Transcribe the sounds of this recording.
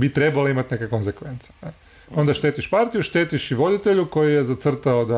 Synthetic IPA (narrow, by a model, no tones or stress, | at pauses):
bit̪ɾebaleimat̪ne̞keko̞nzekʋent̪se̥ne | o̞nd̪aʃt̪e̞ːt̪iʃpaɾt̪ijuʃt̪eːt̪iʃiʋo̞d̪it̪e̞ʎuko̞jijezat̪sr̩t̪aod̪a